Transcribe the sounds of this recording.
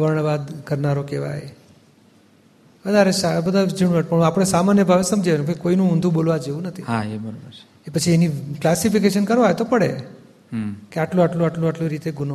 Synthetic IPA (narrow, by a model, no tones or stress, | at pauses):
ʋəɾɳ̃bad̪kəɾnaɾokeʋa̰j | ʋəd̪ʱaɾeʃabəd̪ʱad͡ʒəɳʋəʈpəɳapəɽ̃esamanjəbʱaʋesəmd͡ʒaenubokoinũund̪ʱũbolʋad͡ʒeũnət̪ʰiɦaebəɾobəɾ | epət͡ʃʰieniklasifikeʃənkəɾʋaet̪opəɽḛ | keaʈlũaʈlũaʈluaʈluɾit̪eɡuno